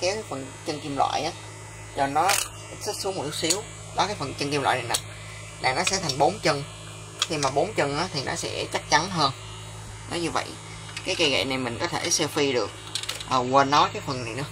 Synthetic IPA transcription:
kaː˨˦˨jfə˨˩n | t͡ɕə˧nki˧mlwa̰ː˧˨jʔaː˨˦ | t͡ɕɔ˧nɔ˨˦ | sə˦˥t̚su˨˦əmo˨˩nu˦˥ksi˨˦əw | ɗɔ˨˦kaː˨˦jfə˨˩nt͡ɕə˧ŋki˧mlwa̰ː˧˨jna˨˩na˨˩ | la̰ː˨˩nɔ˨˦sɛ̰˧˥t̪ʰa˨˩ŋ̟ɓo˨˦nt͡ɕə˧n | xi˧maː˨˩ɓo˨˦nt͡ɕə˧nʔaː˨˦t̪ʰi˨˩nʔɔ̰˨˦sɛ̰˧˥t͡ɕa˦˥k̚t͡ɕa˨˦nɦəː˧n | nɔ˨˦ɲɨ˧və̰˧˨j | kaː˨˦jka˧jɣə̰˧˨jna˨˩jmï˨˩ŋ̟kɔ˨˦t̪ʰe˧˩sɛ˧wfi˧ɗɨ˨˩ək̚ʔəː˨˩ɣwə˧nːɔ˨˦jkaː˨˦jfə˨˩nːa˨˩jnɨ̰˧˥ə

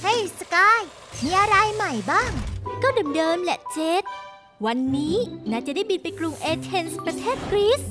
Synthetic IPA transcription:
ha˥˩jsa˧kaː˧˥˩j | miː˧ʔa˧ɾa˧jma˨˩jbaː˥˩ŋkɔː˥˩dɤː˧mdɤː˧mlɛ˧˩˥t͡ɕe˦˥t̪̚ | wa˧nːiː˦˥naː˥˩t͡ɕa˨˩˦da˥˩jbi˧npa˧jkɾu˧ŋʔeː˧t̪ʰe˧nspɾa˧t̪ʰeː˥˩t̪̚kɾi˦˥s

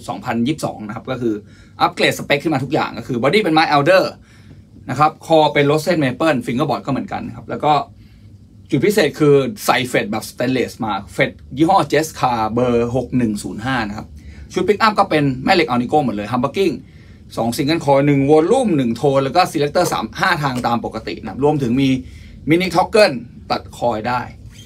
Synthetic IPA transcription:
sɔ̰ː˩˦ŋpʰa˧njiː˥˩p̚sɔ̰ː˩˦ŋna˧˥kʰa˦˥pkɔː˥˩kʰɯː˧ | ʔa˦˥p̚kleː˨˩t̪̚sa˧pe˧˦˥kʰːɯ˥˩maː˧t̪u˦˥k̚ja̰ː˨˩ŋkɔː˥˩kʰɯː˧bɔː˧diː˥˩pe˧nmaː˦˥jʔa˧wdɤː˥˩ | na˦˥kʰa˦˥p̚kʰɔː˧˩pe˧nlo˦˥t̪̚se˥˩n̚meː˧pɤː˥˩nfi˧ŋɤː˧˥˩bɔː˨˩t̪̚kɔː˥˩mɯ˩˦nka̰˧nːa˦˥kʰa˦˥p̚lɛː˦˥wkɔː˥˩ | t͡ɕu˨˩pʰi˦˥seː˨˩t̪̚kʰɯː˧sa˨˩jfe˨˩t̪̚bɛː˨˩p̚st̪ɛː˧nleː˨˩smaː˧fe˨˩t̪̚jiː˥˩ɦɔː˥˩t͡ɕeː˦˥skʰaː˧bɤː˧ɦo˨˩k̚nɯ˨˩ŋsuː˩˦nɦaː˥˩na˦˥kʰa˦˥p̚t͡ɕʰu˦˥t̪̚pʰi˦˥k̚ʔa˥˩mkɔː˥˩pe˧nmɛ˥˩le˦˥k̚ʔa˧ni˧˥koː˥˩mɯ˩˦nlɤː˧j̪ʰa˧mpa˧˥kːi˥˩ŋ | sɔ̰ː˩˦ŋsi˨˧˥ŋka˥˩kʰɔː˧jnɯ˨˩ŋwo˧nlɾu˥˩mnɯ˨˩ŋt̪ʰoː˧lɛː˦˥wkɔː˥˩si˧lɛ˦k̚t̪ɤː˥˩sa̰ː˩˦mhaː˥˩t̪ʰaː˧ŋt̪aː˧mpo˨˩kːa˧t̪ḭ˨˩ʔna˦kʰa˦˥p̚ɾu˧əmt̪ʰɯ˩˦ŋmiː˧ | mi˦˥ni˦˥k̚t̪ʰɔ˦˥kːɤ˥˩n | t̪a˨˩t̪̚kʰɔː˧jdaː˥˩j

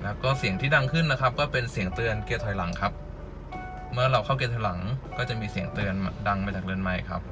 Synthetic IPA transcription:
lɛː˦˥wkɔː˥˩si˨˩˦əŋt̪ʰiː˥˩da˧ŋkʰɯ˥˩nːa˦˥kʰa˦˥p̚kɔː˥˩pe˧nsi˨˩˦əŋt̪ɯ˧ənkeː˧˩t̪ʰɔː˨˩jla˩˦ŋkʰa˦˥p̚ | mɯ˥˩ɐɾa˧wkʰa˥˩keː˧˩t̪ʰɔ˨˧jla˩˦ŋkɔː˥˩t͡ɕa˨˩ʔmiː˧si˨˩əŋt̪ɯ˧ənda˧ŋmaː˧t͡ɕaː˨˩k̚dɯ˧ənma˧˩jkʰa̰˦˥p̚

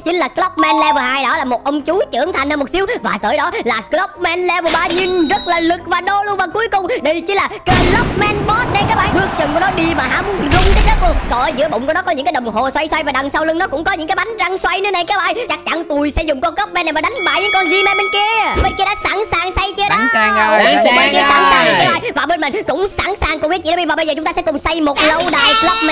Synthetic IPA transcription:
t͡ɕi˨˦ŋ̟laː˨˩klɔ˦˥p̚mɛ˧nlɛ˧vəː˨˩ɦaː˧jɗɔ˨˦laː˨˩mo˨˩t̚ʔə˧wŋ͡mt͡ɕu˨˦t͡ɕɨ˧˩əŋt̪ʰa˨˩ŋ̟həː˧mo˨˩t̚si˨˦əwvaː˨˩t̪əː˧˩jɗɔ˨˦laː˨˩klɔ˦˥p̚mɛ˧nlɛ˧və˨˩ɓaː˧˩ɲi˧nzə˦˥t̚laː˨˩lɨ˨˩k̚vaː˨˩ɗo˧lu˧ənvaː˨˩wku˨˦əjkʊ˨˩ŋ͡mɗə˧jt͡ɕi˨˦laː˨˩kəː˧lɔ˦˥p̚mɛ˧nɓɔ˦˥t̚na˨˩jkaː˦˥j̚ɓaː˧˨jɓɨ˦˥ək̚t͡ɕə˨˩nkə˩ɗɔ˨˦ɗi˧maː˨˩ɦa̰ː˧˥mu˨˦ənzʊ˨˩ŋ͡mkaː˨˦jkəː˨˦˥ku˧˩kɔ˨˩˨zɨ̰˧˥əɓə̰˧˨ŋ͡mku˧˩ɗɔ˨˦kɔ˨˦ɲɨ̰˧ŋkaː˨˦jɗə˨˩wŋ͡mɦo˨˩swa˧jswa˧jvaː˨˩ɗa˨˩ŋsa˧wlɨ˧ŋnɔ˨˦kʊ̰˧˥ŋ͡mkɔ˨˦ɲɨ̰˧˥ŋkːaː˨˦ɓa˨˦jŋ̟za˧ŋswa˧jnɨ̰˧˥˦na˨˩jkaː˨˦˥ɓaː˧˩jt͡ɕa˦˥k̚t͡ɕa˧˩nt̪u˨˩əjsɛ̰˧˥zʊ˨˩ŋ͡mkɔ˧nkə˦˥p̚mɛ˧na˨˩mː˨˩ɗa˨˦ŋ̟ɓa̰ː˧˨jɲɨ̰˧˥ŋkɔ˧nzi˧mɛ˧ɓe˧nki˧ə˧˨˩ɓe˧nki˧ɗaː˧˥saː˧˩nsaː˨˩ŋsa˧jt͡ɕɨ˧ɗa˧˦˨aː˧˩ḭ˧˥˦sa̰ː˧˥nsaː˨ŋna˨˩kːaː˨˦ɓaː˨˩jvaː˨˩ɓe˧nmï˨˩ŋ̟kʊ̰˧˥wŋ͡msa̰ː˧˥˩nsaː˨˩ŋkʊ˨ŋ͡mi˦˥tt͡ɕḭ˧˨˦vaː˨˩ɓə˧jzəː˨˩t͡ɕʊ˦ŋ͡mt̪aː˧sɛ̰˧˥kʊ˨˩ŋ͡msa˧jmo˨˩t̚lə˧wɗa̰ː˧˨jlə˦˥p̚mɛ˧

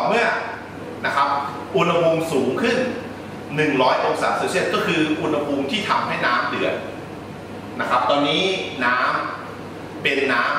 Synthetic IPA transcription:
mɯ˥˩ɐ | na˦˥kʰa˦˥p̚ | ʔu˧na˧pʰu˧msuː˩˦ŋkʰɯ˥˩n | nɯ˨˩ŋɾɔː˦˥jʔo˧ŋsaː˩soː˧si˥˩ət̪̚kɔː˥˩kʰɯː˧ʔu˧nha˧pʰuː˧mt̪ʰiː˥˩t̪ʰa˧mha˥˩jnaː˦˥mdɯ˨˩ən̚ | na˦˥kʰa˦˥p̚t̪ɔː˧nːiː˦˥naː˦˥m | pe˧nːaː˦˥

